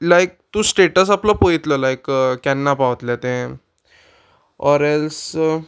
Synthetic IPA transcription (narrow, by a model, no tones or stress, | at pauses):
lajk̚t̪ũsʈeʈəs̬aplɔpojit̪ləlajkkːɛnːapaʋət̪ljat̪ẽ | ɔɾɛls